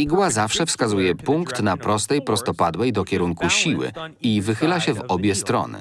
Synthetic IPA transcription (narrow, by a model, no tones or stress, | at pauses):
iɡwazafʂɛfskazujɛpuŋkt̪napɾɔst̪ɛjpɾɔst̪ɔpad̪wɛjd̪ɔkʲɛɾuŋkuɕiwɘ̰ivɘxɘlaɕɛvɔbʲjɛst̪ɾɔ̰nɘ̰